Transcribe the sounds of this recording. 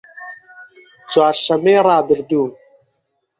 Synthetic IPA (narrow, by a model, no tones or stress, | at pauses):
t͡swaːɾʃɐmeːɾˤɑːbɪɾd̪uːm